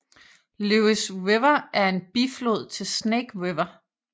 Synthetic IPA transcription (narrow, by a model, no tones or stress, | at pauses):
luisweʋɐʔæɐe̝nb̥iflo̝ð̰ˠt͡sʰe̝lsneɡ̥weʋɐ